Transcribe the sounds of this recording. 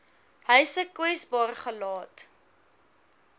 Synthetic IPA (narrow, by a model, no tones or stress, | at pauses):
ɦəjsəkwɛsbɑːrəχəlɑːt